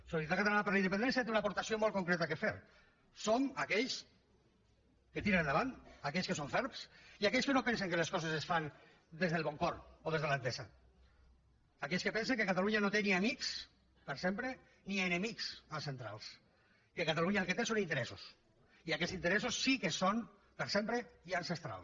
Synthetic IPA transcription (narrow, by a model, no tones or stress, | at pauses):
sosjit̪akat̪alaapeɾlaind̪epend̪ɛnsjat̪eunapoɾt̪asiomolkoŋkɾɛt̪akefeɾ | somakɛʎs | ket̪iɾennd̪əβant̪akɛʎskəsoɱfɛɾpsiakɛʎskenopɛns̬eŋkeleskɔzezesfan | d̪ezðelˠβɔŋkɔɾoð̞ezðəlant̪eza | akɛʎskepɛnseŋkekat̪aluɲanot̪eniamiks | pəɾsempɾe | nienemiksansent̪ɾa̰lˠs | kekat̪aluɲaəlˠket̪esonint̪eɾɛsus | iakɛzint̪əɾɛsusːikeson | pəɾsempɾeiansest̪ɾa̰lˠs